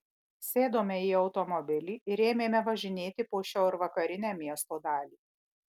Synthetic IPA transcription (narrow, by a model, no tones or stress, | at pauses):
sʲeːd̪oːmʲɛiɒʊt̪ɔmɔbʲɪlʲiːɪɾʲeːmʲeːmʲɛʋɐʒʲɪnʲeːt̪ʲɪpoːʃʲɛʊɾʋɐkɐɾʲɪnʲæːmʲiɛst̪oːd̪ɑːlʲiː